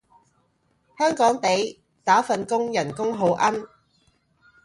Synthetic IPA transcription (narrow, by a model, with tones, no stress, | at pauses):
hœː˥ŋkɔː˨˥ŋt̪e˨˧j | t̪aː˨˥fɐ˨nkʊ˥ŋjɐ˨˩nkʊ˥ŋɦo˨˧wʔɐ˥n